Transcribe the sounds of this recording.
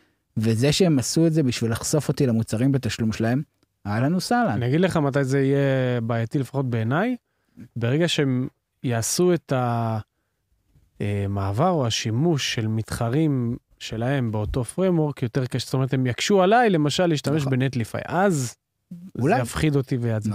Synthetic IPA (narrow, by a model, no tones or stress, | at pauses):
vezeʃeemasuetze̞biʃvilaχso̞fo̞t̪ilamut͡saʁimbet̪aʃlumʃelahe̞m | aalanosalaniaɡid̪le̞χamatajzeijebaːjatile̞fḁχo̞t̚be̞ːnaj | beʁeɡaʃeem | jaːsue̞ta | emaːvaʁo̞aʃimuʃːe̞lmitχaʁim | ʃe̞lahe̞mbeo̞to̞fʁejmwoʁkjo̞t̪e̞ʁkast̪ome̞ʁetemjakʃualajle̞maʃalːiːʃtameʃ̬be̞netlifa̰jʔaz | zuljafχid̪o̞tivejad